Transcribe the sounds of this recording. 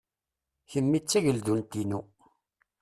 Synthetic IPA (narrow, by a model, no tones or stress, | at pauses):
çəmːit͡sːæʝəlðunt̪inu